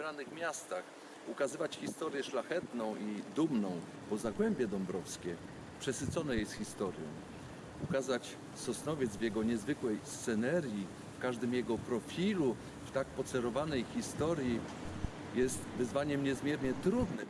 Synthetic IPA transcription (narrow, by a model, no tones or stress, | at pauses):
ɾanɘxmʲjast̪ax | ukazɘvat͡ɕxʲist̪ɔɾjɛʂlaxɛt̪nɔ̃w̃ʔid̪umnɔ̃w̃ | pɔzaɡwɛmbʲjɛd̪ɔmbɾɔfskʲɛ | pʂɛsɘt̪sɔnɛjejsxʲist̪ɔɾjɔ̰̃w̃ | ukazat͡ɕ | sɔsnɔvʲjɛd̪zvjɛɡɔɲɛzvɘkwɛjst̪sɛnɛɾʲji | fkaʐd̪ɘmjɛɡɔpɾɔfʲilu | ft̪akpɔt̪sɛɾɔvanɛjxʲist̪ɔɾʲji | jɛst̪vɘzvaɲɛmɲɛzmʲjɛɾɲɛt̪ɾud̪nɘ